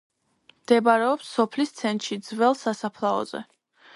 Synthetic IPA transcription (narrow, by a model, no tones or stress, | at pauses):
md̪̥ɛbaɾɛɔpsːɔpʰlist̪sʰɛnt̪ʃid̪zvɛlˠsasapʰlˠaɔ̰zɛ̰